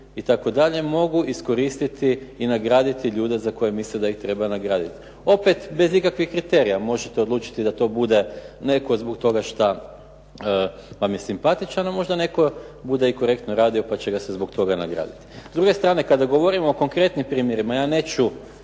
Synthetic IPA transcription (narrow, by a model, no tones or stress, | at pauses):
it̪ako̞d̪aʎe̞mo̞ɡuʔisko̞ɾiːst̪it̪iːnaɡɾaːd̪it̪iʎuːd̪e̞zako̞jemislid̪aixt̪ɾe̞banaɡɾaːd̪it̪ | o̞pe̞t̪be̞zikakʋixkɾit̪e̞ɾijamo̞ʒet̪e̞od̪luːt͡ʃi̥t̪id̪at̪o̞ːbud̪e̞ne̞ko̞zbok̚t̪o̞ɡaʃt̪a | əʋamje̞simpat̪it͡ʃanamo̞ʒd̪ane̞ko̞ | bud̪eiko̞ɾe̞kt̪noɾaːd̪io̞pat͡ɕe̞ɡasezbo̞kt̪o̞ɡana̰ɡɾa̰ːd̪it̪i̥zd̪ɾuɡe̞st̪ɾaːne̞kad̪aɡo̞ʋo̞ɾimooko̞ŋkɾe̞t̪nimpɾiːmje̞ɾimajaːne̞ːt͡ʃu